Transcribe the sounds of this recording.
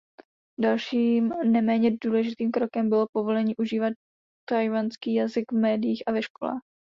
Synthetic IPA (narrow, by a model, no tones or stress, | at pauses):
dalʃiːmnɛmɛːɲɛduːlɛʒɪt̪iːmkɾo̞kɛmbɪlopo̞vo̞lɛɲiːʔuʒiːvat̪̚ː | ajvanskiːjazɪɡvmɛːdɪjiːxʔavɛʃko̞la̰ːx